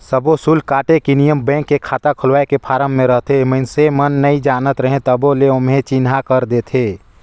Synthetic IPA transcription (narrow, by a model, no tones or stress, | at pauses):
səbosuːlkaːʈekinijəmbɛ̃ːŋkːekʰaːt̪akʰʊlwaːekepʰaːɾəmːẽɾəɦt̪emənsemənːəĩd͡ʒaːnət̪ɾəɦẽt̪əboleʊmɦẽt͡ʃɪnɦakəɾd̪eːt̪ʰeː